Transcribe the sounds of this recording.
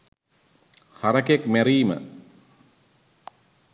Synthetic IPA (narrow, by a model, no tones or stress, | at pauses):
haɾɐkekmæɾiːmə̰